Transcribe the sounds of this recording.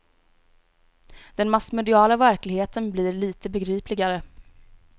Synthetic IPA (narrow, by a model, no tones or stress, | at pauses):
d̪̥ɛnmasmɛd̪ɪɑːlavæɾklɪɡheːt̪ənbliːɾɭiːt̪əbɛɡɾiːplɪɡaɾə